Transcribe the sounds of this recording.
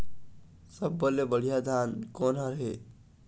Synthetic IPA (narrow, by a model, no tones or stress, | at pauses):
səbːəlːebəɽ̤ijad̪ʱankonɦʌ̃ɾɦe